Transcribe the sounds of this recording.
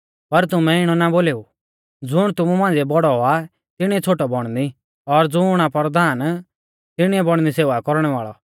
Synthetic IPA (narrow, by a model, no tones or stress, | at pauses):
pɐɾt̪ʊmɛ̃ɪɽ̃ɔnaboːleːu | d͡zʊɽ̃t̪ʊmumãːnd͡zɛbɔɽɔa | t̪ɪɽ̃iɛt͡sʰoːʈɔbɔɽ̃d̪i | ɔɾd͡zʊʊɽ̃apɔɾd̪ʱaːn | t̪ɪɽ̃iɛbɔɽ̃nd̪iseːʋakɔɾɽ̃ɛʋaːɭɔ